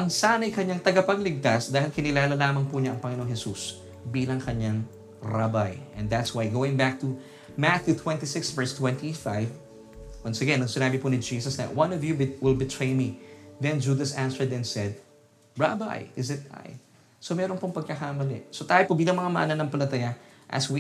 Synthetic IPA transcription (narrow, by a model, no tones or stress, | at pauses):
ʔɐŋsaːnɐjkɐɲaŋt̪ɐɡɐpɐɡlɪɡ̚t̪asd̪aːhɪlkɪnɪlaːlɐlaːmɐŋpuɲaʔɐŋpɐŋɪno̞ŋhɛsus | biːlɐŋkɐɲaŋ | ɹabajʔɛ̃nd̪æt̪swajɡoːwɪ̃ŋbak̚t̪u | maθjut̪ʰwɛ̃nt̪isɪksvɛɹst̪wɛ̃nt̪ifajv | wɐnsɐɡɛnɐŋsɪnaːbiponɪd͡ʒiːsɐsnɐ̰wɐ̃nɔvjuwɪlbɪt̪ʰɹejmiðɛ̃nd͡ʒud̪ɐsʔãnsɛɹd̪ɛ̃nsɛd̪̚ | ɹa̰ba̰jɪzɪt̪a̰j | somɛɾonpoŋpɐɡ̚kɐkamɐlɪ̰sot̪aːjopobiːlɐŋmɐŋamɐ̰ʔɐnɐnɐŋpɐlɐt̪ɐjaʔɐ̰swi